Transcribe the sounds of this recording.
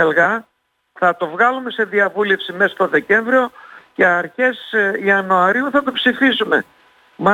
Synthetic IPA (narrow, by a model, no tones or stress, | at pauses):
elɣɐ | θɐt̪o̞vɣɐlume̞se̞ðiɐvule̞fsime̞sɐst̪o̞ðe̞ce̞ɱvɾio̞ce̞ɐɾçe̞siɐnoɐɾiuθɐt̪o̞psifisume̞̰ | mɐ